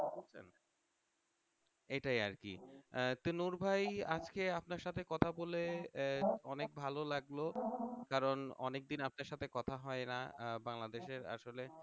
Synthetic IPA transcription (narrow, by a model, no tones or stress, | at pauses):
ot͡ɕʰḛn | eʈaja̰ɾkḭt̪unuɾbʱaja̰d͡ʑkeapnaɾʃat̪ʰekɔt̪ʰabole | ɔnek̚bʱalolaɡlokaɾonɔ̰nek̚d̪inap̚naɾʃat̪ʰekɔt̪ʰaɦɔenabaŋlad̪eʃeɾa̰ʃole